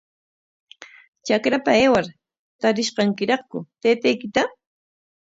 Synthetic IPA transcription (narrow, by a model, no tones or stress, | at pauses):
t͡ʃakɾapaeːwaɾ | t̪aɾɪʃqɑŋkɪɾɑχkʊt̪eːt̪ajkɪt̪a